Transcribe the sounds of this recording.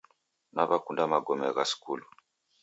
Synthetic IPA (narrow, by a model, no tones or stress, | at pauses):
naβakundamaɡɔmɛɣasi̥kulu